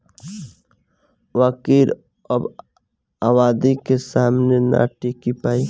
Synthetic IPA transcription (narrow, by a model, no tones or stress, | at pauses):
waːkiːɾ | ɔːb | aːwaːd̪ikesaːmnena̰ʈiːkipaːi